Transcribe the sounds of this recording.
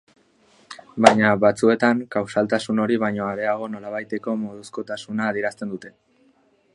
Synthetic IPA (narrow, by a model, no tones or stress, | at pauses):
bajɲaβat͡sue̞t̪aŋkawsalt̪asuno̞ɾiβajɲo̞aɾe̞aɣ̞o̞no̞laβajt̪e̞ko̞mo̞ð̞usko̞t̪asunaːðieɾast̪e̞nd̪ut̪e̞